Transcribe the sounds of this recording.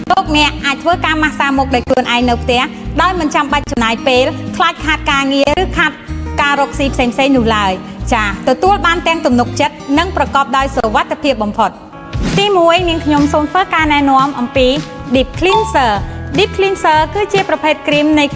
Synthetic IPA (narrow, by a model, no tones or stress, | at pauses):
loːk̚nɛ̆əʔʔaːc̚t̪ʰʋəːkaːmahsaːmɔːk̚ɗaɔjkluənʔaɛŋnɨwpʰt̪ɛ̆əhɗaɔjmɨnt͡ɕamɓac̚t͡ɕɑmnaːjpeːlt̪ʰlaːc̚kʰaːt̪̚kaːŋiərɨːkʰaːt̪̚kaːɾɔːk̚siːpʰseːŋpʰseːŋnʊ̆əhlaəj | t͡ɕaːt̪ɔt̪uəlɓaːnt̪ɛ̆əŋt̪umnuk̚t͡ɕət̪̚nɨŋprɑkɑːp̚ɗaɔjsoʋat̪ʰːepʰiəp̚ɓɑmpʰot̪̚ | t̪iːmuəjniəŋkʰɲomsoːmt̪ʰʋəːkaːnaɛnɔ̆əmʔɑmpiː | ɗiːp̚kʰlinsəːɗip̚kʰlinsəːkɨːt͡ɕiəprɑpʰeːt̪̚krimnɨj